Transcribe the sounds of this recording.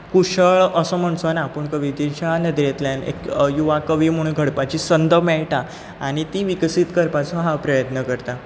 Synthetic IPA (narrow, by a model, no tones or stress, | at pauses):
kuɕəɭəsəm̤əɳt͡sɔnapəɳkəʋid̪it͡ɕanəd̪ɾjet̪ljanḛkjuʋakəʋiːm̤əɽ̃ũnɡʱəɽpat͡ɕiːsənd̪ʱəmɛɭʈa | a̰ɽ̃it̪iʋiksiːt̪kəɾpat͡sɔɦapɾəjət̪nəkəɾt̪a